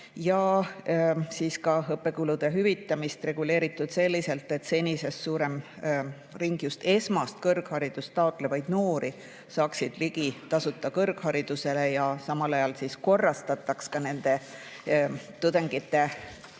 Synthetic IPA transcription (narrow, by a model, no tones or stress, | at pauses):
jɑ | siːskɑɦɤpːˑe̞kulud̪̥eɦyvit̪ːˑɑmist̪re̞ɡ̥ule̞ːɾit̪ːˑud̪̥se̞lːise̞lt̪ːˑe̞t̪se̞nʲise̞ssuːɾe̞m | riŋɡ̥just̪e̞smɑst̪̚kɤrɡ̥hɑɾid̪̥ust̪ɑot̪ˑle̞vɑjd̪̥noːɾʔi | sɑːksid̪̥liɡ̥it̪ɑsut̪ˑːɑkɤrɡ̥hɑɾid̪̥use̞le̞jɑsɑmɑlɑjɑlsisko̞rːɑst̪ɑt̪ːˑɑkskɑne̞nd̪̥e̞ | t̪ud̪̥eŋɡ̥it̪ːˑe̞